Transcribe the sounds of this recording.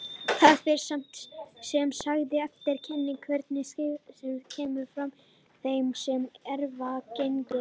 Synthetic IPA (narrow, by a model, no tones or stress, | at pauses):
θaɾfɪɾ̥sam̥t̪sɛmsaɣðɪɛft̪ɪɾ̥cʰɪnːɪŋkʰvɛɾt̪nɪssɛmcʰɛːmʏɾfɾam | θejmsɛmɛɾvacejnt̪ʏ